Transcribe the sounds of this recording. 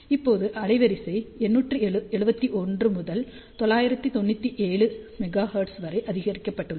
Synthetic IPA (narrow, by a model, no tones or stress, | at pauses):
ɪpːoːðɯʔɐlɐɪʋɐɾɪsɐɪɛnːuːʈrɯɛɻɯbɐt̪ːiʔɔndrɯmʊðɐl | t̪ɔɭːaːjɪɾɐt̪ːɯt̪ɔnːɯt̪ːiʔeːɭɯmɛɣaːhɐːʈsʋɐɾɐɪʔɐðɪɣɐɾɪkːɐpːɐʈːɯɭːɐ